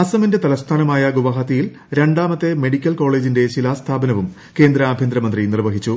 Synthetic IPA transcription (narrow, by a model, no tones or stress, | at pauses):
ɐsɐminde̞t̪ɐlɐst̪ʰaːnɐmaːjɐɡuʋɐɦɐt̪ːijil | ɾe̞ɳɖaːmɐt̪ːe̞me̞ɽikʲːɐlko̞ːɭe̞ːd͡ʑinde̞ɕilast̪ʰaːbɐnɐʋum | ke̞ːnd̪ɾɐaːbʱjend̪ɾɐmɐnd̪rinirʋɐɦit͡ɕːu